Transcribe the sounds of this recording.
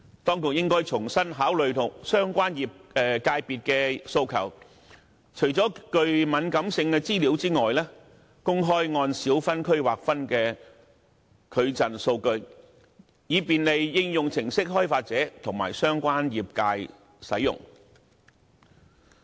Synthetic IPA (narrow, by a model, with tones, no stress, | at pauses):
t̪ɔː˥ŋkʊ˨k̚jɪ˥ŋkɔː˥jt͡sʰʊ˨˩ŋsɐ˥nɦaː˨˥wlɵ˨ɥt̪ʰʊ˨˩ŋsœː˥ŋkʷaː˥njiː˨p̚ɛ˨˧kaː˧jpiː˨t̚kɛː˧so˧wkʰɐ̰˨˩w | t͡ʃʰɵ˨˩ɥt͡sɔː˨˥kɵ˧ɥmɐ˨˧nkɐ˨˥msɪ˧ŋkɛ˧t͡siː˥liː˨˥wt͡siː˥ŋɔː˨jlɛː˥ | kʊ˥ŋɦɔː˥jŋɔː˧nsiː˨˥wfɐ˥nkʰɵ˥ɥwaː˨k̚fɐ˥nkɛː˧ | kʰɵ˨˧ɥt͡sɐ˨nso˧wkɵ˧ɥ | jiː˨˧piː˨nle˨jːɪ˧ŋjʊ˨ŋt͡sʰɪ˨˩ŋsɪ˥k̚ɦɔː˥jfaː˧t̚t͡sɛː˨˥t̪ʰʊ˨˩ŋma̰ː˨˩jsœː˥ŋkʷaː˥njiː˨p̚kaː˧j | sɐ̰˨˥jʊ̰˨˩ŋ